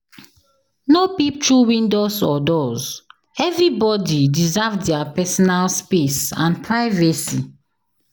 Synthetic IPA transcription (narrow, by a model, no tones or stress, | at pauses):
nopip̚tɹuwĩndosɔdɔz | ɛvɹibɔdidizavdɛapɛsɔnalspesãnpʰɹaɪvɛsi